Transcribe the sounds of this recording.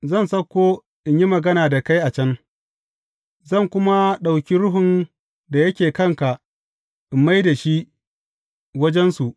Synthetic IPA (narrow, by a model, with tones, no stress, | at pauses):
zɐ˦˨nsɐ˦kʷːoː˦ | ʔɪ˨ɲji˦mɐ˨ɡɐ˦naː˨da˨ka˦jʔa˨t͡ʃɐ˦n | zɐ˦˨ŋkʷʊ˦ma˦ɗa˨wkʲi˦ɾʊ˦ɦʊ˨n | da˨jɐ˦kʲeː˨kɐ˦˨ŋka˨ʔ | ʔɪ˨mːa˦jda˨ʃi˦ | wɐ˦d͡ʒɛ˦nsu˨ʔ